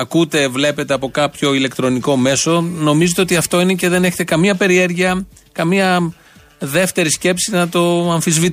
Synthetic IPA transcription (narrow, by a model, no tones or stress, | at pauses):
ɐkut̪e̞vle̞pe̞t̪e̞ɐpo̞kɐpço̞ile̞kt̪ɾo̞niko̞me̞so̞no̞mizet̪eot̪iɐft̪o̞ine̞ce̞ðe̞ne̞çet̪e̞kɐmiɐpe̞ɾie̞ɾʝiɐ | kɐmiɐ | ðe̞ft̪e̞ɾisce̞psinɐt̪o̞ɐɱfizvit̪